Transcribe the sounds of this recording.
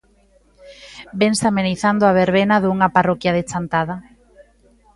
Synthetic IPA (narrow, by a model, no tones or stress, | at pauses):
beŋsameniθand̪oaβ̞eɾβenaðuŋaparɔkjaðet͡ʃant̪aða